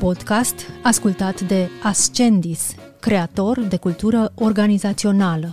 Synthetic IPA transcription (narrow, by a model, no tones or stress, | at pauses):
po̞d̪̥kast̪askult̪at̪d̪e̞ast͡ʃe̞nd̪is | kɾe̞at̪o̞rd̪e̞kult̪uɾəo̞rɡanizat̪sio̞nalə